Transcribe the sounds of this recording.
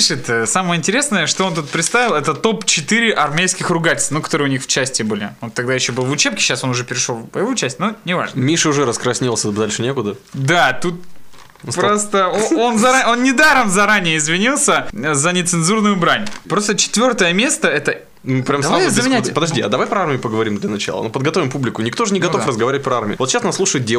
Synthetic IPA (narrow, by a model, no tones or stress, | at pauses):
iʂɨt̪əsaməjəɪnʲtʲɪɾʲesnəjəʂt̪oo̞nt̪ut̪̚pɾʲɪt̪st̪avʲɪlˠɛt̪ət̪o̞pt͡ɕɪt̪ɨɾʲɪʔɐrmʲejskʲɪxrʊɡatʲɪlʲst̪nukɐ̥t̪o̞ɾɨəʊnʲixft͡ɕæsʲtʲɪbɨlʲɪ̰ot̪ːɐɡd̪ajɪɕːo̞bɨlˠvʊt͡ɕepkʲɪ̥ɕːaso̞nʊʐɛpʲɪɾʲɪʂo̞lˠpəjɪvot͡ɕæsʲtʲnonʲɪva̰ʐnəmʲiʂɨʊʐɛɾəskɾɐsʲnʲilˠsʲəd̪alʲʂɨnʲekʊd̪əd̪at̪ut̪̚ | pɾost̪əoo̞nzɐao̞nnʲɪd̪aɾəmzɐɾanʲɪjəɪzvʲɪnʲilˠsʲəzənʲɪt̪sɨnzurnʊjʊbɾanʲpɾo̞st̪ət͡ɕɪ̥t̪vʲo̞rt̪əjəmʲe̞st̪əɛt̪ə | nupɾʲamsɐazəmʲɪnʲɛtʲpəd̪ɐʐdʲiɐ̰d̪ɐvajpɾɐarmʲɪjʊpəɡəvɐɾʲimd̪lʲɐnɐt͡ɕa̰lˠə̰nopəd̪̚ɡɐt̪o̞vʲɪmpublʲɪkʊnʲɪkt̪oʐɨnʲɪɡɐt̪ofrəzɡɐvaɾʲɪvɪt̚ʲpɾɐarmʲɪjʊ̰vot̪ɕasnaslˠuʂəjɪt̪̚dʲe